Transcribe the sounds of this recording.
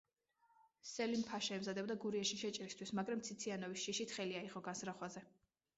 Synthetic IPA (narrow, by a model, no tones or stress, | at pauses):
sɛlimpʰaʃɛɛmzad̪ɛbd̪aɡuɾiɛʃiʃɛt͡ʃʼɾist̪ʰwismaɡɾamt̪sʰit̪sʰianɔvisʃiʃit̪χɛliaiʁɔɡansɾaχwazɛ